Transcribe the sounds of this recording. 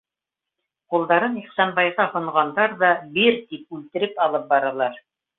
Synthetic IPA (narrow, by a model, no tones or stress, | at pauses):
qulˠd̪ɑɾɤniχsɑnbɑjʁɑhŏɴʁɑnd̪ɑɾðɑbiɾt̪ip̚ʉlt̪ɘ̆ɾɘpɑlˠɤp̚bɑɾɑlˠɑɾ